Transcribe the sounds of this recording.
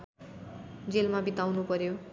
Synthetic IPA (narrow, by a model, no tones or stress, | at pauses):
d͡zelmabit̪awnupʌɾjo